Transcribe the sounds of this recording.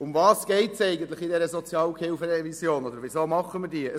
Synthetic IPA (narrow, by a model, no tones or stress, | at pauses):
ʊmvɑːsɡ̥ɛɪtsɛɪɡən̩t̪ləχidɛɾəzɔt͡sjɑːlkʰhɪlfəɾɛvisjoːnɔd̪əɾvʋizoːmɑχəmədiːə